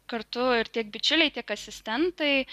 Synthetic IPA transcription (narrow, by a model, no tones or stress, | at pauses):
kɐɾt̪ʊɪɾt̪ʲiɛk̚bʲɪt͡ʃʲʊlʲɛɪt̪ʲiɛkɐsʲɪsʲt̪ʲɛnt̪ɐɪ